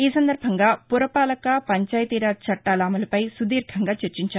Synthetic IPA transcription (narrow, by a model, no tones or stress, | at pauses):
iːsɐnd̪ɐɾbʱɐŋɡaːpuɾɐpaːlɐkɐpɐɲt͡ʃaːjɐt̪iːɾat͡ʃɐʈːaːlaːmɐlɐpɐjsud̪iːɾɡʰʱɐŋɡaːt͡ʃɐɾt͡ʃiɲt͡ʃaː